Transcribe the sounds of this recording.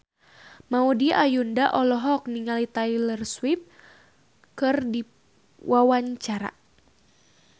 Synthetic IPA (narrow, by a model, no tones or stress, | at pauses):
maudiʔajundaʔɔlɔɦɔk̚niŋalit̪ailərswip̚ | kɨrdi | wʔawaɲt͡ʃaɾa̰